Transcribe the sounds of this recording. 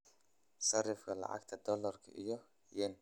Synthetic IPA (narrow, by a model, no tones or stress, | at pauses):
sɐrɪfkʰɐlɑ̰ʕɑ̰ɡt̪ʰɐd̪ɔlɐrkʰɐʔijɔ | jɛn